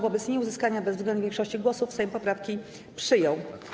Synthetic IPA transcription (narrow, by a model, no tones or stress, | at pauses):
vɔbɛt̪ɲɛuzɘskaɲabɛzvzɡlɛnvʲjɛŋkʂɔɕt͡ɕiɡwɔsufsɛjɛmpɔpɾafkʲi | pʂɘjɔ̃w